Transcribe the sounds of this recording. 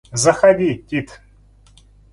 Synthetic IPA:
zɐxad̪ʲitʲit̪

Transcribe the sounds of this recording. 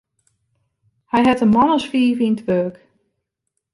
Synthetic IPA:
hɛjɦɛtəmɔnɔsfiːvintʰʋøːk

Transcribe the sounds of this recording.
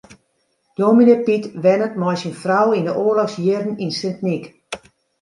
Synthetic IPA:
d̥ominepitʋɛnətmɔjsinfrawindəʔoərlɔxsjɪrdən̩insɪntnik

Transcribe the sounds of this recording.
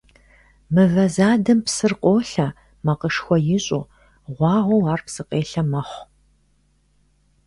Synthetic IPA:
mɨɣɐzaːdɨmpsɨrqʷʼoːɬɐ | mɐqəʂxʷɔjɪɕʼṵ | ʁʷɑːʁʷɐwaːrpsɨqʼeːɬɐmɐχʷ

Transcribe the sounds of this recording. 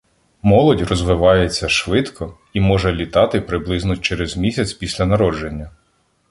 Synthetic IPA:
mɔlˠɔdʲrɔzʋɪʋɑjet͡sʲːɐʃʋɪt̪kʰɔ | imɔʒɛlʲit̪ɑt̪ɪpɾɪblˠɪznɔt͡ʃɛɾezmʲisʲɐt͡sʲpʲisʲlʲɐnɐɾɔd͡ʒenʲːɐ

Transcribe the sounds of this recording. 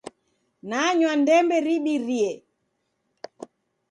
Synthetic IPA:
naɲwandɛmbɛɾiɓiɾiɛ

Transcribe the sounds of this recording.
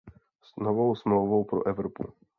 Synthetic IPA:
snovowsmlowvowpɾoʔɛvɾopṵ

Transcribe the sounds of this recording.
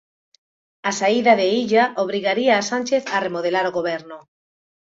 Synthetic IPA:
asaiðaðeiʎaʔoβ̞ɾiɣaɾiaːsanʲt͡ʃeθaremoðelaɾoɣoβɛɾnʊ

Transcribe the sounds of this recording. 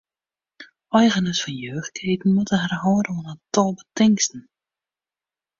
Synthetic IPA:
œjɣənəsfɔnjøːχkʰeːtn̩mutəɦərɦɔːdəɔnətɔlˠbətɪŋstn̩

